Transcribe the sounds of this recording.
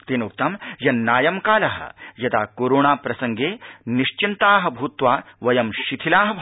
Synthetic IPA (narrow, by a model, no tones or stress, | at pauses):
t̪eːnuk̚t̪ɐmjɐnnaːjɐmkaːlɐɦɐ̰̆jɐt̪aːkoːɾoːɳaːpɾɐsɐŋɡeːniʃt͡ʃint̪aːɦɐ̆bʱuːt̪ʋaːʋɐjɐmʃit̪ʰilaːɦɐ